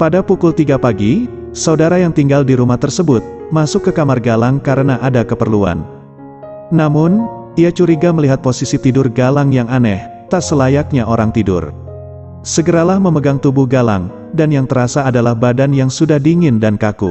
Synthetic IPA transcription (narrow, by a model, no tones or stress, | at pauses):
padapukʊlt̪iɡapaɡi | saudaɾajaŋt̪iŋɡaldiɾumaht̪ərsəbʊt̪̚masʊkːəkamarɡalaŋkaɾənaʔadakəpərlua̰nː | amʊn | iat͡ʃuɾiɡaməliɦat̪̚posisit̪idʊrɡalaŋjaŋanɛh | t̪asəlajak̚ɲaʔoɾaŋt̪idʊ̰r | səɡəɾalahməməɡaŋt̪ubʊhɡala̰ŋ | danjaŋt̪əɾasaːdalahbadanjaŋsudahdiŋɪndankakṵ